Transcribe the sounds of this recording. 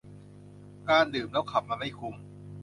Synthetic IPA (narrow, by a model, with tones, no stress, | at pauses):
kaː˧ndɯː˨˩mlɛː˦˥wkʰa˨˩p̚maː˧ma˥˩jkʰu˧m